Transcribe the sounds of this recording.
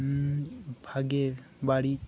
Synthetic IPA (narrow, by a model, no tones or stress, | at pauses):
bʱaɡe | baɽi